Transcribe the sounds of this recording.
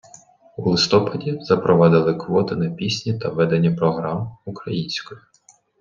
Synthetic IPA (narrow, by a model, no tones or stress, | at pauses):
ulˠɪst̪ɔpɐdʲizɐpɾɔʋɑd̪ɪlˠɪkʋɔt̪ɪnɐpʲisʲnʲit̪ɐʋɛd̪enʲːɐpɾɔɦɾɑmukɾɐjinʲsʲkɔjʊ